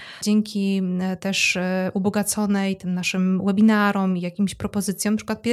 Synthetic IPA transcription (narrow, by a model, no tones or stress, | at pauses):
d͡ʑɛŋkʲit̪ɛʂʔubɔɡat̪sɔnɛjt̪ɘmnaʂɘmwɛbʲinaɾɔmijakʲimɕpɾɔpɔzɘt̪sʲjɔ̃m̃napʂɘ̥kwat̪̚pʲjɛ